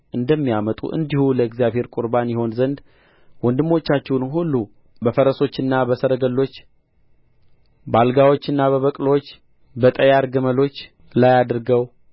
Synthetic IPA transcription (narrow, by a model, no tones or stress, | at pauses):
ʔɨnd̪əmːijamət̪ʼṵʔɨ̰nd̪ihuləɪɡzijaβhe̞ɾkʼuɾbanjɛho̞nzənd̪ | wɔnd̪ɨmːo̞t͡ʃːat͡ʃːɛwnhulːu | bəfəɾəso̞t͡ʃːɨnːabəsəɾəɡəlːo̞t͡ʃː | balɡawot͡ʃːɨnːaβəβəkʼlo̞t͡ʃː | bət̪ʼəjaɾɡəməlo̞t͡ʃː | lajad̪ɾɡəw